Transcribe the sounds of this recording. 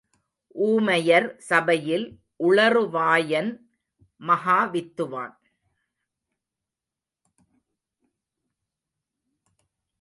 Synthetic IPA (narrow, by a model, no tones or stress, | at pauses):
ʔuːmɐjɐɾsɐbɐjɪl | ʔʊɭɐrɯʋaːjɐn | mɐɦaːʋɪt̪ːɯʋa̰ːn